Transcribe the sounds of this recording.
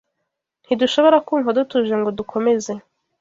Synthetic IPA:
n̥hiduʃo̞βo̞ɾakuːɱvodutuʒeŋɡodukʰo̞me̞ze̞

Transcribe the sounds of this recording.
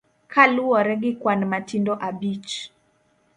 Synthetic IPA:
kʰaluwɔɾɛɡikwanmatindɔʔabit͡ʃ

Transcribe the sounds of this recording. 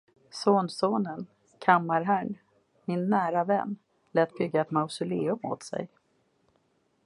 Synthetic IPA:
soːnsoːnən | kʰamːaɾɦæɳ | mɪnːæːɾavɛnː | lɛːt̪̚bʏɡːaɛt̪maʊsʊleːɵmo̰ːt̪sɛ̰j

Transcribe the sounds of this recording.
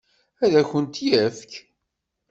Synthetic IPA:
æðæçənt̪jæfk

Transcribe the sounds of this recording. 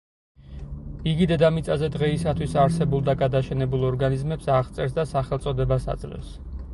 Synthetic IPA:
iɡid̪ɛd̪amit̪sʼazɛd̪ʁɛisat̪ʰwisaɾsɛbulˠd̪aɡad̪aʃɛnɛbulˠɔɾɡanizmɛpsaʁt̪sʼɛɾsd̪asaχɛlt̪sʼɔd̪ɛbasa̰d̪z̥lɛ̰vs

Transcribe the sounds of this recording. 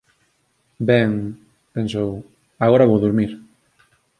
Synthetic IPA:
bɛŋ | pẽnsow | aɣoɾaβowðuɾmiɾ

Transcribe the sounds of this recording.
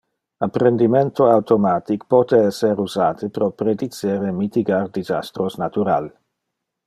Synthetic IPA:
apɾend̪iment̪oawt̪omaːt̪ikpɔːt̪eɛsːeɾuzaːt̪ʰepɾopɾed̪it͡seːɾemit̪iɡard̪iza̰st̪ɾosnat̪uɾa̰l

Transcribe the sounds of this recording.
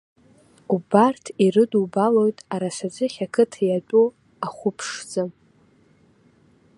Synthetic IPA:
ubartʰirɨdubalo̞jtʼaɾasad͡zʷɨχʲakʰɨtʰjat͡pʷʼu | aχʷʊpʰʂd͡zɨ

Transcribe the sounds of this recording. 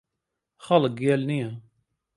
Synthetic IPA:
χɑləɡjælni

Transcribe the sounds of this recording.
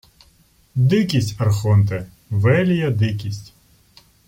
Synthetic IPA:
d̪ɪkʲisʲtʲɐrxɔnt̪ɛ | ʋɛlʲijɐd̪ɪkʲisʲtʲ

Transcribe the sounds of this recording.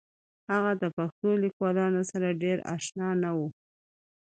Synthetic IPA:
haɣad̪əpaxt̪olikwɑlɑnosaɾaɖeɾɑ̰ʃnɑnawu

